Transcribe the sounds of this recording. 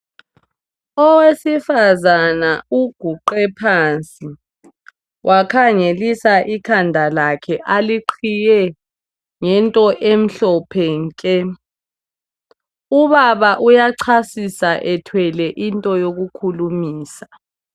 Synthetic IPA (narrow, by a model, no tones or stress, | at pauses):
ɔwesifazanauɡ̥ʱuǃɛpʰaːnt͡sʼi | wʔakʰaŋelisaʔikʰandʱalakʰɛʔaliǃʰijɛ | ŋɛntʼɔʔem̩ɬɔpʰɛːŋkʼɛ | uβaβaʔujaǀʰasisaʔɛtʰwɛlɛʔintʼɔjoɣukʰulumiːsḁ